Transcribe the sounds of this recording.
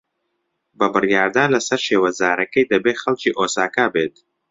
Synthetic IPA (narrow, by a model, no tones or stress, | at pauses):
bɐbɨrjaːɾd̪aːnlɐsɐɾʃeːwɐzaːɾʔɐkɐjd̪ɐbeːxɐlt͡ʃiːʔoːsaːkaːbeːt̪